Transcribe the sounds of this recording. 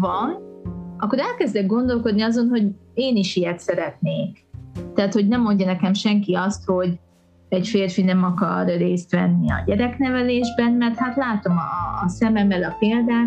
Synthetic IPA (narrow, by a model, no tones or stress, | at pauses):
vɒnɒkːo̞ɾɛlkɛzd̪ɛɡ̚ɡo̞nd̪o̞lko̞d̪niɒzo̞nɦo̞ɟeːniʃijɛt̪sɛɾɛt̪neːkt̪aːt̪hoɟnɛmːo̞ɲɟɒnɛkɛmʃɛŋkiɒst̪ho̞ɟ | ɛɟfeːrfinɛmɒkɒrːeːst̪ʋɛnːiɒ̰ɟɛɾɛknɛvɛleːʒbɛnmɛrt̪hat̪laːt̪o̞mːsɛmɛmɛlɒpeːld̪aː